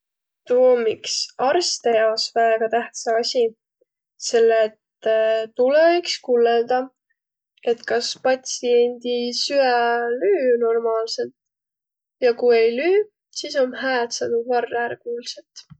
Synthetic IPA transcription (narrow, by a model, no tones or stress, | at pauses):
t̪umiksɑrst̪e̞jɑosvæeɡ̥ɑt̪æht̪sɑɑsʲi | se̞lːet̪t̪uleikskulːeld̪ɑ | e̞t̪kɑspɑt̪ʲsie̞nʲd̪̥isyælyːno̞rmɑːlse̞lt̪ | jɑkuje̞jlyː | siːso̞mɦæːt̪sɑd̪̥uvɑrːæɾkuːlset̪